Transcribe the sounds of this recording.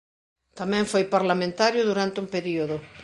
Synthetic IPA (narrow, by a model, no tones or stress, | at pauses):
t̪amɛ̃ɱfojpaɾlamẽnt̪aɾjʊðuɾant̪ɪumpeɾioðʊ